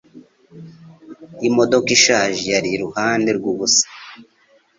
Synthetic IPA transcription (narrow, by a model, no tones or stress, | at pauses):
imo̞do̞kiʃaːʒijaɾiɾuhaːndeɾɡuβusḁ